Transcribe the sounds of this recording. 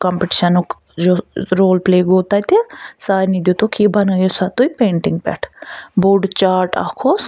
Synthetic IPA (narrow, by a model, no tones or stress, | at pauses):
kaːmpeʈi̥ʃənok | d͡ʒoːɾoːlpleːɡoːt̪aːit̪esaːɾniːd̪joːt̪oːkiːbənaːjosat̪oːipẽːɳʈɪŋɡ̚pɛ̰ːʈʰbuːɖt͡ʃaːɾʈa̰ːkʰoː